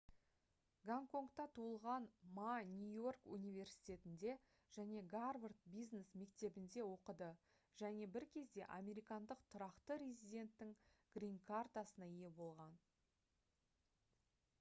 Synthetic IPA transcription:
ɡaŋko̞ŋkt̪ɑt̪ʰuəlˠʁɑnmanʲujo̞rkṵnijvʲe̞rɾsi̥jt̪ʲe̞t̪ɪnd̪e̞ | ʒ̥æne̞ɡarvərt̪̚bijznesme̞kt̪e̞bɪnd̪e̞wo̞qəd̪ə | ʒ̥æne̞bɪɾkʲʰe̞zd̪e̞ʔa̰mʲe̞ɾijkɑnd̪əqt̪ʰʊɾɑqt̪əɾʲezʲid̪ʲe̞nt̪ːɪŋɡ̥rʲiŋkʰart̪asənɑije̞bo̞lˠʁɑn

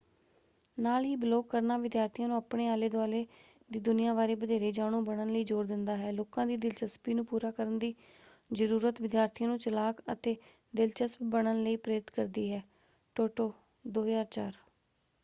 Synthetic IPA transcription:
naːlɦiːbloːkːəɾnaːʋɪd̪jaːɾt̪ʰijãːnũːapɳeːaːleːd̪ʊaːleː | d̪iːd̪ʊnɪjãːʋaːɾeːbəd̪ʱeːɾeːd͡ʒaːɽ̃ũːbəɳ̃ənləiːd͡ʒoːɾd̪ɪnd̪aːɦɛːloːkãːd̪iːd̪ɪlt͡ʃəspiːnũːpuːɾaːkəɾənd̪iː | zəɾuːɾət̪ʋɪd̪jaːɾt̪ʰijãːnũːt͡ʃəlaːkə̰t̪eː | ɖ̪ɪlt͡ʃəspbəɽənləiːpɾeːɾɪt̪kəɾd̪iːɦɛː | ʈoːʈoː | d̪oːɦzaːɾt͡ʃaːɾ

